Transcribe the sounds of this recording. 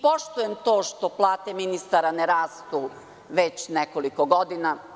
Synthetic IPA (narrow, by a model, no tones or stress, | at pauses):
po̞ʃt̪ujemt̪o̞ːʃt̪o̞plˠaːt̪eminist̪aɾaneɾaːst̪u | ʋet͡ɕnekolikoɡo̞d̪ina